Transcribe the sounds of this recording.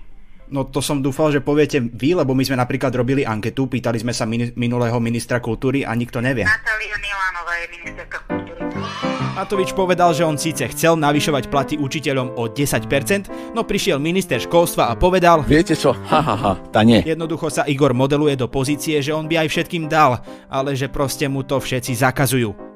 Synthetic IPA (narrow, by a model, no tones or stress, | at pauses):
nɔt̪ɔsɔmd̪uːfalʒɛpɔʋɪɛcɛʋilɛbɔmizmɛnapɾiːklad̪ɾɔbiliʔaŋkɛt̪upiːt̪alizmɛsamiminulɛːɦɔminist̪ɾakult̪uːɾiʔa̰ɲikt̪ɔɲɛʋɪɛ̰at̪aliunilaːnɔʋaːjɛminist̪ɛɾkakult̪uːɾimat̪ɔʋit͡ʃpɔʋɛd̪alʒɛɔnsiːt͡sɛxt͡sɛlnaʋiʃɔʋacplat̪iut͡ʃicɛʎɔmɔɟɛsacpɛɾt͡sɛnd̪ | nɔpɾiʃɪɛlminist̪ɛɾʃkɔlst̪ʋaːpɔʋɛd̪alʋɪɛcɛt͡ʃɔhaɦaɦa̰t̪aɲɛjɛd̪nɔd̪uxɔsaʔiɡɔɾmɔd̪ɛlujɛd̪ɔpɔziːt͡siɛʒɛɔnbiajfʃɛt̪̚kiːmd̪al | ʔalɛʒɛpɾɔscɛmut̪ɔfʃɛt͡sizakazujuː